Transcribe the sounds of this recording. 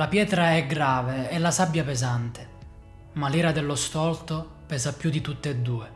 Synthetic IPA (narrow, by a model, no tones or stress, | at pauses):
lapjɛːt̪ɾaɛɡɾaːveɛlːasabjapezant̪e̥ | maliːɾad̪ɛlːost̪ɔlt̪o | pɛːzapːjud̪it̪ut̪ːeːd̪ːuːe